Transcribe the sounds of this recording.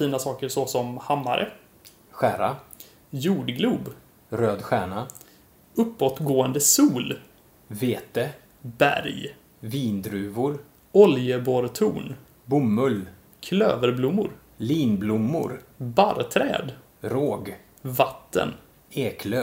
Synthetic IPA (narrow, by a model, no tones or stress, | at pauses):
fiːnasɑːkəɾsɔsɔmhamːa̰ɾʔə̰ | ɧæːɾa | juːɖɡluːb | ɾøːd̪ɧæːɳa | ɵpːɔt̪ɡoːənd̪əsuːl | veːt̪ə | bæ̰ɾj | viːnd̪ɾʉːvʊɾ | ɔljəbɔɾt̪ʰuːn | bʊmːɵl | kʰløːvəɾblʊmːʊɾ | liːnblʊmːʊ̰ɾbaɾt̪ʰɾɛ̰ːd̪ | ɾoːɡ | vat̪ːə̰n | eːkʰlø